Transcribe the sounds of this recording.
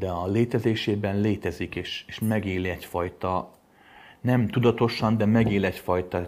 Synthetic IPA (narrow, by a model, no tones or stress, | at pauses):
d̪̥ɛɒleːt̪ɛzeːʃeːbɛnleːt̪ɛzikeːʃeːʃmɛɡeːliɛcfɒjt̪ɒ | nɛmt̪ud̪ɒt̪o̞ʃɒnd̪ɛmɛɡeːlɛcfɒjt̪ɒ